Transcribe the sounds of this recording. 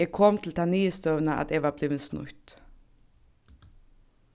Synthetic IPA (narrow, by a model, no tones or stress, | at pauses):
ekʰɔmt̪ʰl̩t̪ʰɑːniːəst̪œːʋənəʔɑ̰t̪eʋɑːbliːʋənsnʊ̰t̪